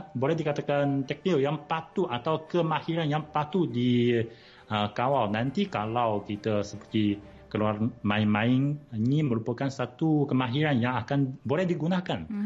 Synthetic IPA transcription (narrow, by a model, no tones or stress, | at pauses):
bolɛhdikat̪akant̪ɛk̚niljaŋpat̪uʔat̪awkəmahiɾanjaŋpat̪uʔdi | əkawalnant̪ikalawkit̪əsəpərt̪i | kəluarmãiŋmãɪŋiniməɾupakansat̪ukəmaɦiɾanjaŋakanbolɛhdiɡunakan